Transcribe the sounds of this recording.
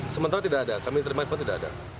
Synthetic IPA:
səmənt̪aɾat̪idaʔadakamit̪əɾmat̪fɔnt̪idaʔada̰

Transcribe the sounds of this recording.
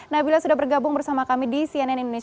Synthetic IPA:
nahbilasudahbərɡabʊŋbərsamakamidisiɛnɛnindone

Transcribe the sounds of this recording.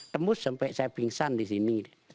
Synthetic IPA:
t̪əmbusːampɛʔsajapiŋsandisini

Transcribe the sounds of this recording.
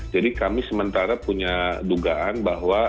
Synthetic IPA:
d͡ʒadikamisəmənt̪aɾapuɲaduɡaʔanbaɦwa

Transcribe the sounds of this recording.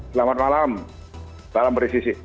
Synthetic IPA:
səlamat̪̚malam | d̥alampɾisisi

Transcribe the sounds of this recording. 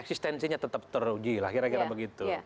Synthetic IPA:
ɛksist̪ɛnsiɲat̪ət̪əp̚t̪ərud͡ʒilahkiɾakiɾabəɡit̪u

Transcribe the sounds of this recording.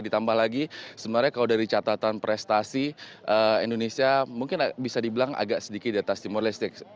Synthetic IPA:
dit̪ambahlaɡisəbənarɲakaladaɾit͡ʃat̪at̪anpɾʔɛst̪asiʔəḭndonesiamuŋkɪnbisadibəlaŋʔa̰ɡaʔsədikɪt̪̚iat̪ast̪imoɾalist̪ɪk̚

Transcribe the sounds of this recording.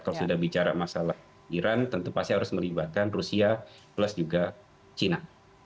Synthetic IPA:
kalosudahbit͡ʃaɾa̰masalah | iɾant̪ənt̪upast̪iɦaɾʊsməlibat̪̚kanrusia | pləsd͡ʒuɡa | t͡ʃina

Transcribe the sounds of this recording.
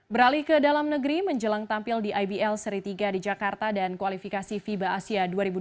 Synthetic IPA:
bəɾalikədalamnəɡəɾiməɲd͡ʒəlaŋt̪ampɪldiʔajbiɛlsəɾit̪iɡadid͡ʒakart̪adankuwalifikasifibaʔːsiaduaɾibu

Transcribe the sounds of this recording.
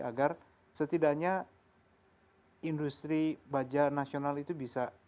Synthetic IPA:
a̰ɡar | sət̪idaʔɲa | indust̪ɾibad͡ʒanasionalit̪ubisa

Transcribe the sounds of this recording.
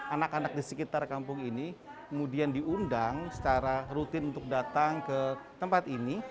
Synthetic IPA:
anakanak̚disəkit̪arkampʊŋinikəmudiandiʔundaŋsə̥t͡ʃaɾarut̪ɪnunt̪ʊk̚dat̪aŋkət̪əmpat̪ini

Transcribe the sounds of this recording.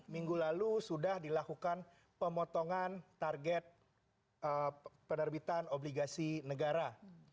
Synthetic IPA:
miŋɡulalusudahdilakukan | pəmɔt̪oŋant̪arɡɛt̪̚ | əpənərbit̪anobliɡasinəɡaɾa

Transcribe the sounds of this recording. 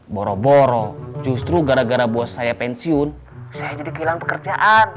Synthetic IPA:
bɔɾɔbɔɾɔd͡ʒust̪ɾuɡaɾaɡaɾabuasajapɛnsiʊn | sajad͡ʒadikəilaŋpəkərd͡ʒaʔan

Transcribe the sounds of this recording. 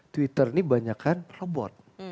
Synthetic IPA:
t̪wit̪ərnibaɲakanrɔbɔ̰t̪̚

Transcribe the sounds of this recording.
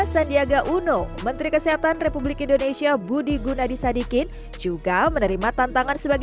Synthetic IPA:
sandiaɡaʔunomənt̪ɾikəsəɦat̪anrepublikindonesiabudiɡunadisadikɪn | d͡ʒuɡamənəɾimat̪ant̪aŋansəbaɡ

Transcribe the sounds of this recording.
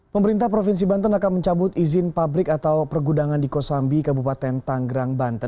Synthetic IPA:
pəməɾint̪ahpɾofins̬ibant̪ənakanməɲt͡ʃabʊt̪izɪnpabɾɪkat̪awpərɡudaŋandikosambikabupat̪ɛnt̪aŋɡɾaŋbant̪ə

